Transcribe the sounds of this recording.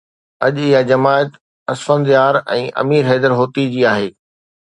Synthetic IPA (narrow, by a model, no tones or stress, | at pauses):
ɐ̰ʄɪɦad͡ʑɐmaːət̪ | ɐsfənd̪jaːɾɛ̰̃ːʔɐ̰miːɾɦɛːd̪əɾɦoːt̪id͡ʑiːaːɦeː